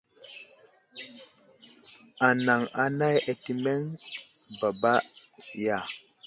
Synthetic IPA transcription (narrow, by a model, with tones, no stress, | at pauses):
a˨na˨ŋa˨na˦je˨ti˨me˦ŋba˨ba˦ | ja˦˨